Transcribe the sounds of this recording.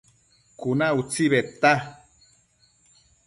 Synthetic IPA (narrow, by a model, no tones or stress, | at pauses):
kunaut͡siβet̪ːa